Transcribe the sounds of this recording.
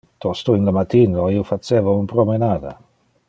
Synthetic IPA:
t̪ɔst̪oinlamat̪inoiːofat͡ʃeːvounpɾomenaːd̪a̰

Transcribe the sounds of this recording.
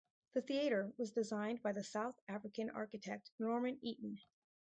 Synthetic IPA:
ðɨθiɨɾə˞wʌzdɨzãɪ̃nbaɪðɨsaʊθæfɹɨkɨ̃nʔɑ̰ɹkɨtʰɛk̚tnɔɹmɨ̃niʔn̩

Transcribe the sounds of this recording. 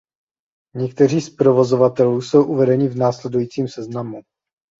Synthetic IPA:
ɲɛk̚t̪ɛr̝iːspɾo̞vo̞zo̞vat̪ɛluːso̞wʔuvɛdɛɲɪvnaːslɛdujiːt͡siːmsɛznamu

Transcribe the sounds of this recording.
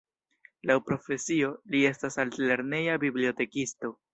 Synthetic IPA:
lawpɾo̞fe̞sio̞lie̞stasaltle̞ɾne̞jabiblio̞te̞kisto̞

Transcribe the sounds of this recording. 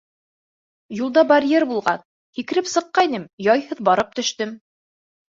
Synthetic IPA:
julˠd̪ɑbɐɾʲjeɾbulˠʁɑn | hikɘ̆ɾɘpsɤ̆qːɑinɘmjɑjhɤðbɑɾɤp̚t̪ɵ̆ʃt̪ɵm

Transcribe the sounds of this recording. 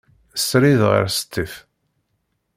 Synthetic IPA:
əsɾiðʁə̰ɾsə̥t̪ːəf

